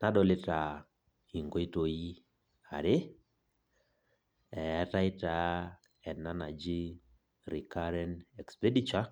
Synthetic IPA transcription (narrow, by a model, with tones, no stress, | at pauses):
na˦dɔ˦lɪ˦ta˨ | i˨ŋɡo˦i˦to˨i˦ | a̰˨ɾɪ˦ | ɛ˨˦ta˦ɪ˦ta˨ | ɛ˨nnːa˦na˨d͡ʒi˦ | ɾi˨ka˦ɾɛ˦nɛ˨kspɛ˦di˦t͡ʃa˦